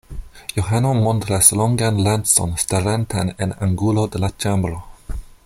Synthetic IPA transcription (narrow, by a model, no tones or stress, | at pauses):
joɦanomontɾasloŋɡanlanso̰nstaɾantanḛna̰ŋɡulodelat͡ʃambɾo